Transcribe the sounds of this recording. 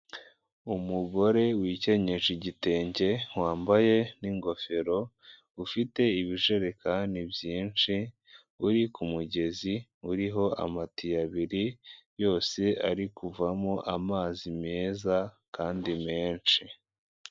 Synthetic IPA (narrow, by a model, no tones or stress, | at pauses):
umuɡo̞ɾe̞wiːce̞ɲe̞ʒiɟite̞ːɲɟe̞waːmbaje̞niŋɡo̞fe̞ɾo̞ | ufite̞iβiʒe̞ɾe̞kanibjiːnt͡ʃi | uɾikumuɟe̞ziuɾiɦo̞ʔa̰matijaβiɾijo̞ːse̞a̰ɾikuvamoʔamaːzime̞ːza | kaːndimeːnt͡ʃi